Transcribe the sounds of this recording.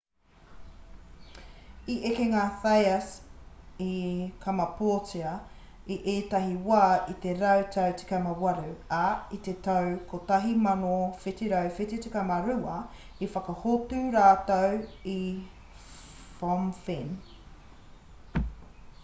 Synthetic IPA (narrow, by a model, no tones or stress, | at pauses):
iʔekeŋaːθajɐs | ikʰɐmɐpʰoːt͡siɐ | iʔeːt̪ɐɦiwaːit̪eɾɐwtʰɐwt͡si̥kɐmɐwɐɾʉɐit̪et̪ɐwkot̪ɐɦimɐnofitiɾɐwfititikɐmɐɾʉɐ | ifɐkɐhotʉːɾaːt̪owi | fomfin